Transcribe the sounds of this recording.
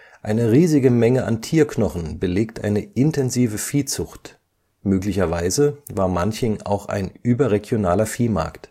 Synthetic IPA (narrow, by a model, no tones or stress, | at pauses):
ʔaɪnəʁiːzɪɡəmɛŋəʔa̰ntʰiːɐknɔχn̩bəleːk̚tʔa̰ɪnəʔɪntɛnziːvəfiːt͡sʊxt | møːklɪçɐvaɪzəvaːɐmançɪŋa̰ʊxa̰ɪnʔyːbɐʁeɡjonaːlɐfiːma̰ɐkt